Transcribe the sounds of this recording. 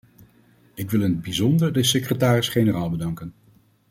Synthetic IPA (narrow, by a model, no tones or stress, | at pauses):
ɪkʋɪlˠɪnəd̚bizɔndəɹdəsekrətaːrɪsχenəraːlˠbədɑŋkən